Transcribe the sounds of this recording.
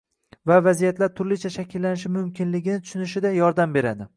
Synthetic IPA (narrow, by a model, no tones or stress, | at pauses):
vavazijat̪laɾt̪ʰʊɾlɪt͡ʃʰaʃakʲʰɪlːanɪʃɪmʊmkʲʰɪnlɪɡʲɪnɪt̪ʰʊ̥ʃʊnɪʃɪd̪ajɒɾd̪ambe̞ɾad̪ɪ